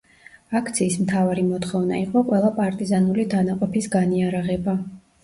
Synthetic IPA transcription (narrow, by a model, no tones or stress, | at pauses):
akʰt̪sʰiːsmt̪ʰavaɾimɔt̪χɔvna̰iqʼɔqʼwɛlˠapʼaɾt̪ʼizanulid̪anaqʼɔpʰisɡaniaɾaʁɛba